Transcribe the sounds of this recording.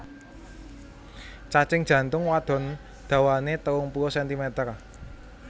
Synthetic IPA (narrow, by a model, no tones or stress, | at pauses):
t͡ʃat͡ʃɪŋd̥ʒ̥ä̤nt̪ʊŋwad̪̥ɔ̤n | d̪̥ä̤wanet̪əwʊŋpuwɔsɛnt̪imɛt̪ər